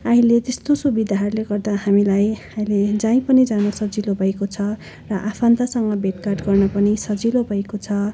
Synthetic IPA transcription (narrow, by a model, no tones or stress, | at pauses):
aɦĩlet̪est̪osubid̪ʱaɦʌrleɡʌrd̪aɦamilajaĩled͡zãĩpʌnid͡zanʌsʌd͡zilobʱʌekot͡sʰʌ | rʌʔapʰant̪asʌŋɡʌbʱeʈkarʈɡʌrnʌpʌnisʌd͡zilobʱʌekot͡sʰʌ